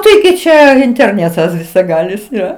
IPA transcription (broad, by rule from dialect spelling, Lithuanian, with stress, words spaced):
tɐɪˈɡʲɪ ˈt͡ʃʲɛ ɪnʲtʲɛrʲˈnʲæːtɐs ʋʲɪsɐˈɡɑːlʲɪs ˈjoː